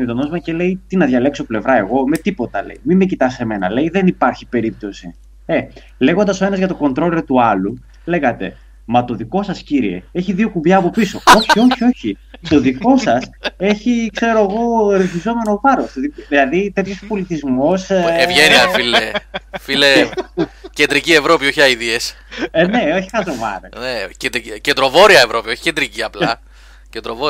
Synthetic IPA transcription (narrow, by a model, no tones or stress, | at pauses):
nit̪onozmɐce̞le̞it̪inɐðʝɐle̞kso̞ple̞vɾɐe̞ɣo̞me̞t̪ipo̞t̪ɐle̞̰imimecit̪ɐse̞me̞nɐ̰le̞iðe̞nipɐɾçi̥pe̞ɾip̚t̪o̞si | e̞ | le̞ɣo̞nd̪ɐso̞e̞nɐzʝɐt̪o̞ko̞nt̪ɾo̞leot̪uɐlu | le̞ɣɐt̪e̞̰ | mɐt̪o̞ðiko̞sɐsciɾie̞̰e̞çiðio̞kubʝɐːpo̞piso̞o̞çio̞çio̞çi | t̪o̞ðiko̞sɐse̞çikse̞ɾo̞eɣo̞ɾeθizo̞me̞no̞vɐɾost̪oðiðilɐðit̪e̞t̪ço̞spo̞lit̪izmo̞sevʝeniɐfilefile | cend̪ɾicie̞vɾo̞pio̞çɐiðies | ne̞o̞çi̥ɐnt̪ɾovɐ̰ɾḛnecend̪ɾicend̪ɾo̞vo̞ɾiɐevɾo̞pioçi̥cend̪ɾiciɐplɐ | cend̪ɾovo